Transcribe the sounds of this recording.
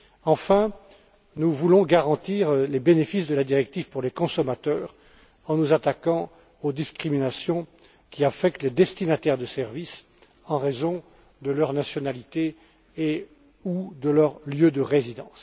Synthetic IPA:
ɑ̃fɛ̃ | nuvulɔ̃ɡaʁɑ̃t̪iʁlebenefisd̪əlad̪iʁɛk̚t̪ivpuʁlekɔ̃sɔmat̪œːʁ | ɑ̃nuzat̪akɑ̃ | od̪iskχiminasjɔ̃ | kʲiafɛk̚t̪led̪ɛst̪inat̪ɛʁd̪əsɛʁvis | ɑ̃ʁezɔ̃ | d̪əlœʁnasjɔnalit̪eː | ud̪əlœʁljød̪əʁezid̪ɑ̰̃s

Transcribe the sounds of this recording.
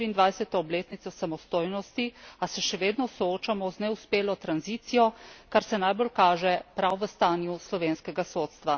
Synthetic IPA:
iːnd̪ʋajsɛt̪ɔːbleːt̪nit̪sosamɔst̪oːjnɔst̪iasɛʃɛʋeːd̪nɔsɔoːt͡ʃamɔznɛuspeːlɔt̪ɾanziːt̪sijɔkaɾsɛnajbolkaːʒɛpɾawʋəst̪aːnjuslɔʋeːnskɛɡasoːt̪st̪ʋa

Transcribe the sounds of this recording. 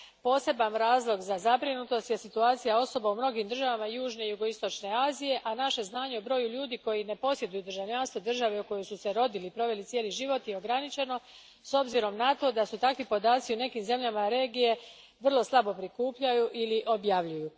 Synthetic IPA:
po̞ːse̞banɾaːzlˠo̞ɡzazabɾinut̪o̞st̪je̞sit̪uaːt̪sijao̞so̞baumno̞ɡimd̪r̩ʒaʋamajuːʒne̞juɡo̞ist̪o̞t͡ʃne̞aːzije̞ʔanaʃe̞znaːɲe̞obɾo̞ːjuʎuːd̪iːko̞jine̞po̞sje̞d̪ujud̪rʒaʋʎaːnst̪ʋod̪r̩ʒaʋeuko̞josuse̞ɾo̞d̪iliːpɾo̞ʋe̞lit̪sjeːliʒiʋo̞t̪io̞ɡɾanit͡ʃe̞no̞ | so̞bziɾo̞mnat̪o̞d̪asut̪akʋipo̞d̪aːt̪siune̞kiːmze̞mʎʲamaɾe̞ːɡije̞ | ʋr̩lˠo̞slˠabo̞pɾikuːpʎajuʔiliʔo̞bjaʋʎuju

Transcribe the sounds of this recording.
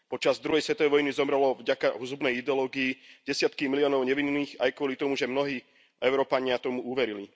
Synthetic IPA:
pɔt͡ʃazd̪ɾuɦɛjsʋɛt̪ɔʋɛjʋɔjnizɔmɾɛlɔvɟakaɦuzubnɛjid̪ɛɔlɔːɡiiɟɛsɪat̪kimiliɔːnɔʊɲɛʋinːiːxajkʊɔlit̪ɔmuʒɛmnɔɦiː | ʔɛʊɾɔːpaɲɪat̪ɔmuuʋɛɾili

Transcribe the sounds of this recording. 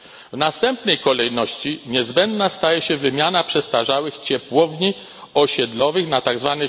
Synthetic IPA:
vnast̪ɛmpnɛjkɔlɛjnɔɕt͡ɕiɲɛzbɛnd̪nast̪ajɛɕɛvɘmʲjanapʂɛst̪aʐawɘxt͡ɕɛpwɔvɲi | ɔɕɛd̪lɔvɘxnat̪aɡzvanɛ

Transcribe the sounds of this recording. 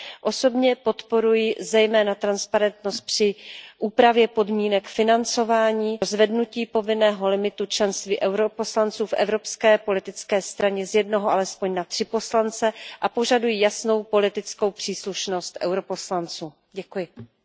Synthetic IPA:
ʔo̞so̞bɲɛpo̞t̪po̞ɾujɪzɛjmɛːnat̪ɾanspaɾɛnt̪no̞st̪̚pr̥ɪʔuːpɾavjɛpo̞dmiːnɛkfɪnant͡so̞vaːɲiːozvɛdnuciːpo̞vɪnɛːɦo̞lɪmɪt̪ut͡ʃlɛnst̪viːʔɛwɾopo̞slant͡suːfʔɛ̰vɾo̞pskɛːpo̞lɪt̪ɪt͡skɛːst̪ɾaɲɛzjɛdnoɦoʔalɛspo̞ɲnat̪r̥ɪpo̞slant͡sɛʔapo̞ʒadujijasno̞wpo̞lɪt̪ɪt͡sko̞wpr̝̥iːsluʃnost̪ʔɛ̰wɾo̞po̞slant͡suː | ɟɛkujɪ

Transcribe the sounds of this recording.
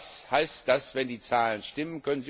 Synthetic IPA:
shaɪstd̥asv̥ɛndiːt͡saːlənʃtɪmənkʰœnənzi

